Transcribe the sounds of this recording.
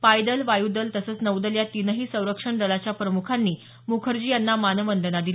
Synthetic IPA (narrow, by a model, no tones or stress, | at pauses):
pajd̪əlʋajud̪əlt̪əsəːt͡snəwd̪əljat̪inəɦiːsə̃w̃ɾəkʂəɳɖəlat͡ɕjapɾəmukʰanːiː | mukʰəɾd͡ʑiːjanːamanəʋənd̪ənad̪il